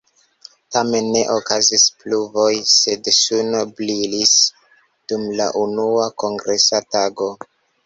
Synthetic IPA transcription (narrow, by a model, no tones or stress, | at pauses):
tame̞nːe̞ʔokazispluvo̞jse̞dsunoblilis | d̥umla̰ʔunuako̞ŋɡɾe̞sataɡo̞